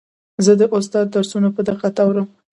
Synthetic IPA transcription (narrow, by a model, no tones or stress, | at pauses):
zəd̪əʔʊst̪ɑd̪̚ːaɾsunapəd̪əqat̪awɾəm